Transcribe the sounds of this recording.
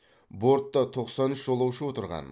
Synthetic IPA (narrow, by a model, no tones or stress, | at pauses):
bo̞ɾt̪ːɑt̪ʰo̞qsɑnʏʃʒolˠɑwʃəwo̞t̪əɾʁɑ̰n